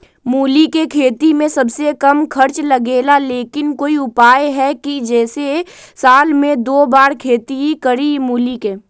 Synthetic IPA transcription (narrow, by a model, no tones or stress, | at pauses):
muːlikekʰeːt̪imẽsɐbsekɐmkʰɐɾt͡ʃlɐɡeːlaleːkɪnkoːiʊpaːjɦɛkid͡ʒɛːse | saːlmẽd̪oːbaːɾkʰeːt̪iɦikɐɾimuːlikeː